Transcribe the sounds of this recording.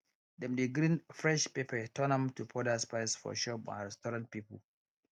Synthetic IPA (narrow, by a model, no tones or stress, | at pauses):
dɛmdeɡɾĩnfɹɛʃpepʰətʰɔnãmtupʰɔdaspaɪsfɔ̰ʃɔpã̰nɹɛstɔɹãnt̚pipə̰l